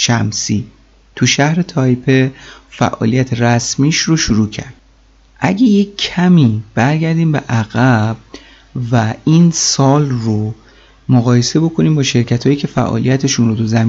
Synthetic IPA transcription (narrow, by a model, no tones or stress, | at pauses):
ʃæmsiː | t̪ʰuʃæhɾe̞t̪ʰɒjpʰefæ̰ʔɒ̰ːlijæt̪ʰeɾæsmiːʃɾoʃuɾuːcʰæ̰ɾd̪̥ | ʔæɟeje̞æmiːb̥æɾɟæɾd̪iːmbeʔæɣæb̥̚ | væinsɒːlro | moɣɒːje̞se̞bo̞kʰo̞niːmbɒːʃe̞ɾcʰæt̪ʰhɒːjiːcʰe̞fæ̰ʔɒ̰ːlḭjæt̪ʰe̞ʃunɾot̪ʰuzæmː